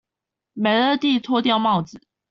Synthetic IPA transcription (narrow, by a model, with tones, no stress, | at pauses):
me˨˩ɪə˥˧t̪i˥˨t͡sʰwɔ˥˧t̪̬jɑ˥˧ʊmɑ˥˨ʊd͡z̩˨˩˦